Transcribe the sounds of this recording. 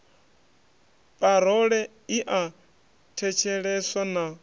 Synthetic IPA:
pʼaɾɔɺɛ | iʔa | tʰɛt͡ʃʰɛɺɛswana

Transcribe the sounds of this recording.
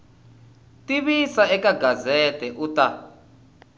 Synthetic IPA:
tʼiβisaɛkaɡʱazɛtʼɛʔutʼa

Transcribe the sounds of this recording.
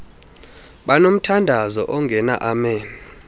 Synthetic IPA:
ɓanom̩tʰandʱazɔ̰ʔɔŋɡʱɛna̰ʔamɛːni

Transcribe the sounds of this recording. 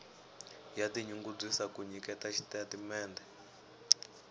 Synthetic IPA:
jatiɲuŋɡub͡ʐisakuɲikɛtat͡ʃʰi̥tatimɛːndɛ

